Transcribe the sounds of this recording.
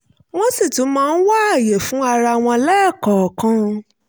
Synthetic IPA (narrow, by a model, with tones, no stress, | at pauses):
w̃ɔ̃˦si˦˨tũ˨˦mãː˦˧n̩˦wa˦a˦˨je˨fũ˨˦a˧ɾa˧˨w̃ɔ̃˧lɛ˦˨kɔ˨kã˧